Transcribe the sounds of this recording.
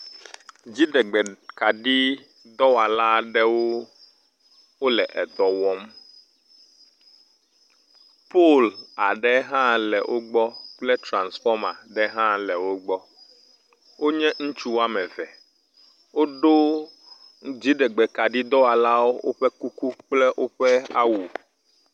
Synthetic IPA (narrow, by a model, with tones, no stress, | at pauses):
d͡ʑi˦ɖɛ˨ɡ͡bɛ˨ka˨ɖi˦ | d̪ɔ˦wa˨la˦ɖɛ˦wo˦ | wo˦lɛ˨ʔɛ˨d̪ɔ˨wɔ˦m | po˦˨la˨ɖɛ˦ɦã˦lɛ̰˨wʔo˦ɡ͡bɔ˦k͡plɛ˦t̪ɾã˨nsfɔ˦mã˨ɖɛ˦ɦã˦lɛ˨wo˦ɡ͡bɔ˦ | wo˦ɲɛ̃˦ŋ̩̃˦t͡ʃu˦wa˦mɛ̃˨vɛ˨ | wo˦ɖo˦ | d͡ʑi˦ɖɛ˨ɡ͡bɛ˨ka˨ɖi˦d̪ɔ˦wa˨la˦wo˦wo̰˦ɸɛ˦ku˦ku˦k͡plɛ˦ʔo˦ɸɛ˦a̰˦wu˨